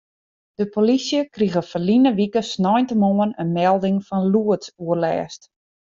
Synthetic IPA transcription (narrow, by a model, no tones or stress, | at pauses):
d̥əpolisjəkriɣəfəlinəʋikəsnɔjntəmoːənənmɛlˠdɪŋfɔnluətsuərlɛ̰ːst